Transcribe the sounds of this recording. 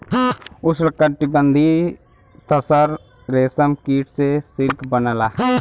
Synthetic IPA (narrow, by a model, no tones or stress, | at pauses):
ʊslkəʈɪbənd̪ʱi | t̪əsəɾ | ɾeːsəmkiːʈsesɪɾkbənəlaː